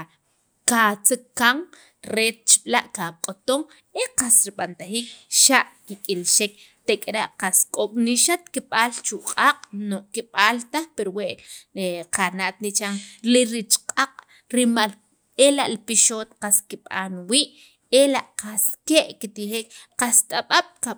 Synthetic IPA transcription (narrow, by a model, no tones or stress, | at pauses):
kat͡sikkːaŋ | ɾet̪̚t͡ʃi̥ɓ̥laʔkaqʼot̪oŋ | eqasɾiɓant̪axiːk̚ʃaʔkikʼilʃek̚t̪ekʼɾaʔqaskʼoɓ̥niʃat̪kiɓalt͡ʃuqʼaqʼnoʔkiɓaːlt̪axpeɾoweʔeqanaʔt̪̚nit͡ʃaŋliɾit͡ʃqʼaqʼ | ɾimal | elaʔlipiʃoːt̪qaskiɓa̰ːnwiːʔ | elaʔqaskeʔkit̪ixeːkqast̪ʼaɓaɓ̥ka